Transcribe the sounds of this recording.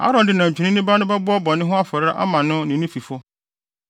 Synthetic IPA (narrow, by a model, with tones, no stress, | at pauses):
a̰˦ɾɔ̃˨ndɪ˦nã˨ɲ˨t͡ɕʰᶣu˨nɪ̃˦nɪ̃˦ba˦nʊ̃˦bɛ˦bʊ˦ɔ˦bɔ̃˨nːɪ̃˦ɦʊ̃˦a˦fɔ˨ɾɾa̰˦ʔa̰˦mã˨nʊ̃˦nɪ̃˨nʊ̃˦fi˨fʊ˦